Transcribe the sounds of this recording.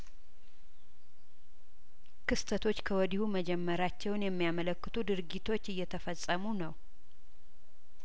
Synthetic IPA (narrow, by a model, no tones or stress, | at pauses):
kʰɨst̪ʰət̪ʰo̞t͡ʃːkʰəwɔd̪ihuməd͡ʒɛmːəɾat͡ʃːɛwnjɛmːijamələkːɨt̪ʰud̪ɨɾɡit̪ʰo̞t͡ʃːɨjːɛt̪ʰəfəsʼəmunəw